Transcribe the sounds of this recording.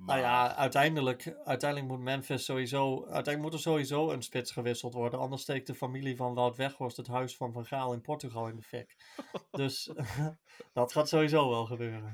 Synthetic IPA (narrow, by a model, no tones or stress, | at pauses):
nawjaœ̰ɥtɛjndələkœɥtɛjndələk̚mutmɛnfɪstːowizowœ̰ɥtɛjndəkmutəɹzowɦizowənspɪtsχəʋɪsəl̩ˠtʋɔɹdənɑ̰ndəɹstejk̚dəfamilivɑnʋawtʋɛχɔstətɦœɥsfɑnvɑnχaːlˠɪnpɔɹtyχɑlˠɪndəfɪkdɵs | d̥ɑtχaːtsowɦizowʋɛlˠχəbøːrən